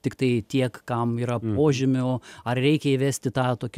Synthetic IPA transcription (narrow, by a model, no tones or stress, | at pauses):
t̪ʲɪkt̪ɐɪt̪ʲiɛkkɐmiːɾɐpoːʒʲɪmʲʊɐrɾʲɛɪkʲɛiːʋʲæːsʲt̪ʲɪt̪ɑːt̪oːkʲ